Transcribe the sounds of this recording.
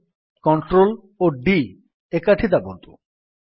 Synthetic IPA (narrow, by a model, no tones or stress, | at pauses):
kɔɳʈɾol | oɖi | ekaʈʰit̪abont̪u